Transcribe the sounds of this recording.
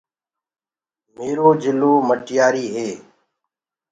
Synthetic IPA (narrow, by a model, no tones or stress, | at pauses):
meːɾoːd͡ʒɪloːməʈjaːɾiːɦeː